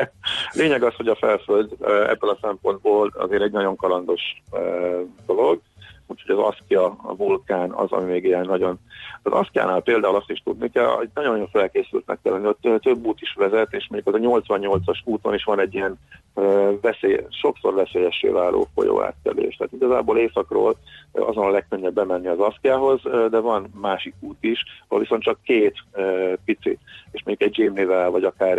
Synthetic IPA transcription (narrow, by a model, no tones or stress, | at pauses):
lʔeːɲɛɡɒsho̞ɟɒfɛlføld̪ɛ̰bːølɒsɛmpo̞nd̪̚boːlɒ̰zeːɾɛɟnɒɟo̞ŋkɒlɒnd̪o̞ʃ | d̪o̞loɡuːcho̞ɟɒzɒ̰skijɒvulkaːnɒ̰zɒ̰mimeːɡeɛnːɒɟonɒzɒ̰skija̰ːnaːlpeːld̪aːulɒst̪iʃt̪ud̪̚nikɛlɛɟnɒɟonːo̞ɱfɛlkeːsy̰lt̪nɛ̰kːɛlːɛnioøt̪ø̞bːuːt̪iʃʋɛzɛt̪eːʃmoɲɟukɒzɛɲo̞lt̪sʋɒɲːo̞lt̪sɒʃuːt̪oniʃʋɒnɛɟːijɛnøvɛseːʃo̞kso̞rvɛseːjɛʃːḛːvaːlʔo̰ːfo̞̰jo̰ːa̰ːt̪ːɛ̰lḛːʃt̪ɛaːt̪iɡɒzaːboːleːsɒkro̰ːlɒ̰zonɒlɛk̚køɲːɛbːɛmɛnːiɒzɒskijaːɦo̞zd̪ɛvɒnmaːʃikuːt̪iʃɒho̰lviso̞nt̪t͡ʃɒkːeːt̪ːpit̪sḭeːʃmoɲɟukɛɟ̚d͡ʒiːmlivɛlvɒɟɒkaːr